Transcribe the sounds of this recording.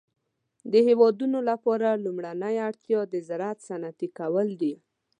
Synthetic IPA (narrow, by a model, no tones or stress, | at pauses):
d̪əhewɑd̪unolapɑɾalumɽanəjaɽt̪jɑd̪əzaɾat̪sanat̪ikawəld̪i